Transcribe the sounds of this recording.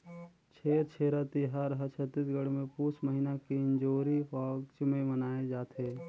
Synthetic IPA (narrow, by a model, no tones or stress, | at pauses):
t͡ʃʰeːɾt͡ʃʰeːɾat̪iɦaːɾɦət͡ʃʰət̪ːiːsɡəɽmẽpuːsməɦinakiɪ̃nd͡ʒoːɾipaːɡt͡ʃmẽmənaːed͡ʒaːt̪eː